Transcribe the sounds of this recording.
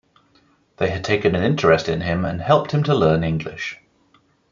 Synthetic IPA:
ðeɪəd̚tʰeɪkə̃nə̃nɪ̃ntəɹɛstɪ̃nɪ̃mə̰̃nhɛlˠp̚t̚hɪ̃mtʰəlɜːnɪ̃ŋɡlɪ̰ʃ

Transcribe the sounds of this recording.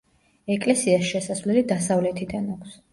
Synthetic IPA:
ɛkʼlɛsiasʃɛsasvlɛlid̪asavlɛt̪ʰid̪anakʰs

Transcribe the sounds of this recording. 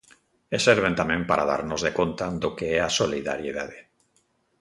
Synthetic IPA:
eseɾβ̞ent̪amẽmpaɾʔa̰ða̰ɾnozðekont̪ad̪okeɛasoliða̰ɾjeðaðe

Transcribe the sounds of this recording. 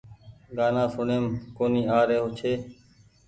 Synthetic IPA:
ɡaːnãːsʊɳeːmkoːniːaːɾeːɦot͡ʃʰeː

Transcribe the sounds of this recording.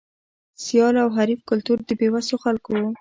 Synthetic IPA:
sijɑlawɦaɾifkʊlt̪uɾd̪əbewasoxalkowo

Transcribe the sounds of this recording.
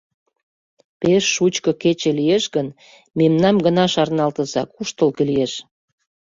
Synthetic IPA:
peʃːut͡ɕkə̆ket͡ɕĕlieʃɣən | memnɑmɡənɑʃɑrnɑlt̪ə̆zɑkuʃt̪əlkelieʃ

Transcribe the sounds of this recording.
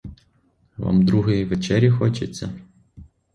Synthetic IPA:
ʋa̰md̪ɾuɦɪjiʋet͡ʃɛɾʲjɐxɔt͡ʃet͡sʲːɐ

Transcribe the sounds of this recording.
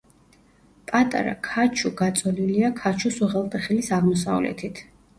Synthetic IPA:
pʼat̪ʼa̰ɾa̰kʰat͡ʃʰuɡat̪sʼɔliliakʰat͡ʃʰusuʁɛlˠt̪ʼɛχilisaʁmɔsa̰vlɛ̰t̪ʰit̪ʰ

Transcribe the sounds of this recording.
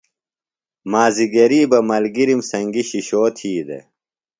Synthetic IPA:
maːziɡɐɾiːbɐmɐlɡiɾimsɐŋɡiɕiɕoːt̪ʰiːd̪ḛ

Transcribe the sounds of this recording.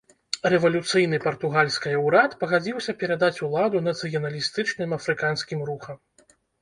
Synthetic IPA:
rɛvɐlʲut̪sɨjnɨpɐrt̪uɣalʲsʲkɐjɐwɾat̪pɐɣad͡zʲiwsʲɐpʲɛɾad̪at͡sʲulˠad̪unɐt̪sɨjɐnɐlʲist̪ɨt͡ʂnɨmɐfɾɨkansʲkʲimɾuxɐm

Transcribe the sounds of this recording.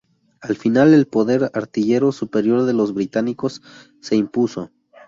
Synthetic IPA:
alfinale̞lpo̞ðe̞ɾaɾt̪iʝe̞ɾo̞supe̞ɾjo̞ɾðe̞lo̞zβɾit̪aniko̞sː | e̞impuso̞̰

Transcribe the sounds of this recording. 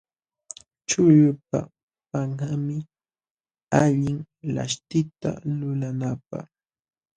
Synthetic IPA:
t͡ʃʊʎʊpa̰ | paŋhamɪ | aʎɪŋ | la̰ʃt̪ɪt̪a̰lʊlanapa̰χ

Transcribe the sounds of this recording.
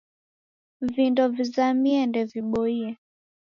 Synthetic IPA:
vindɔvizamiɛndɛviɓɔiɛ

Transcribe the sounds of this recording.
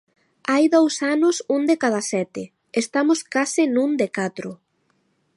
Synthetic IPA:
ajðowsanʊsund̪ekað̞asɛt̪ɪ | est̪amoskasɪnũnd̪ekat̪ɾʊ

